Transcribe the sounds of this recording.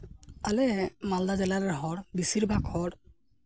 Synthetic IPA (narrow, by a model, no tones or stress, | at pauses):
alɛmald̪azɛlaɾɛɦɔɹbisiɹbʱakʰɔɾ